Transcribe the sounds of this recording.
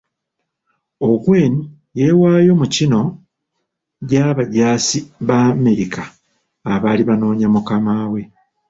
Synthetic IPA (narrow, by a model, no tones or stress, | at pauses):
okwe̞ːni | je̞ːwaːjo̞mucino̞ | ɟaβaɟaːsiβame̞ɾikaː | βaːliβano̞ːɲamukamaːwe̞